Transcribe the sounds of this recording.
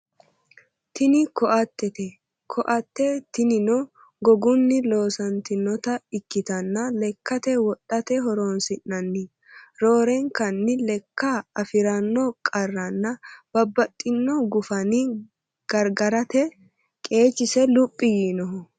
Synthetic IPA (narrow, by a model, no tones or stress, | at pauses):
t̪ɪnɪkɔʔɐt̪ːɛt̪ɛ | kʰɔʔɐt̪ːɛt̪ɪnɪnɔ | ɡɔɡʊnːɪlo̞ːsɐnt̪ɪnɔt̪ɐɪkːɪt̪ɐnːɐlɛkːɐt̪ɛwɔtʼːɐt̪ɛɦɔɾoːnsɪnːɐnːɪ | ɾo̞ːɾɛŋkɐnːɪlɛkːɐɐfɪɾɐnːɔkʼɐrːɐnːɐb̥ɐbːɐt̪ʼːɪnːɔɡʊfɐnɪ | ɡ̥ɐɾɡɐɾɐt̪ɛ | kʼe̞ːt͡ʃːɪsɛlʊpʼːɪjiːnɔɦɔ